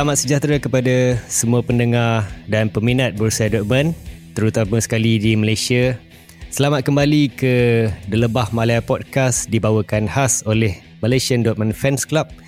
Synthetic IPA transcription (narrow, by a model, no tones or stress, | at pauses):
səlamat̪səd͡ʒat̪ɾakəpadasəmuapəndəŋardanpəminãt̪̚bəɾusaadɔʔ̚mə̃nt̪əɾut̪aməsə̥kalidiməlajsia | səlamat̪̚kəmbalikədələbahmalaapɔt̚kasdibawakanhasolɛh | malajsiandɔt̪̚mãnfɛnsklap̚